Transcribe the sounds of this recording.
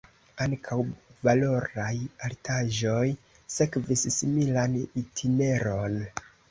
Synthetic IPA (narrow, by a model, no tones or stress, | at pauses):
aŋkʰawvalo̞ɾajaltʰaʒo̞j | se̞kvissimilanitʰine̞ɾo̞n